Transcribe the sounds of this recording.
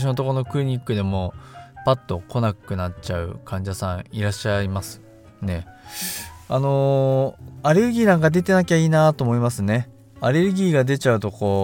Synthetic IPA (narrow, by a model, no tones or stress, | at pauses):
ɕino̞t̪o̞kono̞kɯɯ̟ɲ̟ikːɯ̟d̪e̞mo̞pat̪ːo̞kʰo̞nakɯ̟nat͡ɕaɯ̟̰kʰãɲ̟d͡ʑasãɰ̃iɾaɕːaimasɨ̥ | ne̞ | ano̞ | aɾe̞ɾɯ̟ɡʲiːnãŋkad̪e̞t̪e̞nak̬ʲaiːnat̪oːmo̞imasɨne̞ | aɾe̞ɾɯ̟ɡʲiːɡad̪e̞t͡ɕaɯ̟t̪o̞ko̞ː